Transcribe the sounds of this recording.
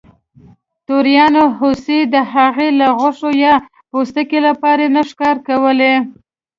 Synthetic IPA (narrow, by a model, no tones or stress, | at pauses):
t̪oɾjɑnoɦosid̪əɦaɣelaɣʊʂojɑ | post̪əkelapɑɾenaʂkɑɾkawəle